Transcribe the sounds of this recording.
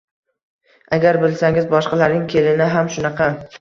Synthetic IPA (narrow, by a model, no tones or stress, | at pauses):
aɡʲaɾbɪlsaŋɪzbɒʃqɑlaɾnɪŋkʲʰe̞lɪnɪɦamʃʊnɑqʰɑ